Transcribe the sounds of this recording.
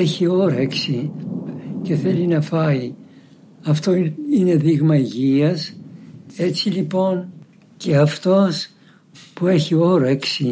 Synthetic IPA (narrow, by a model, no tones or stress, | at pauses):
eçio̞ɾeksi | ce̞θe̞linɐfɐi | ɐft̪o̞ine̞ðiɣmɐiʝiɐs | e̞t͡silipo̞n | ce̞ɐft̪o̞s | pue̞çio̞ɾeksi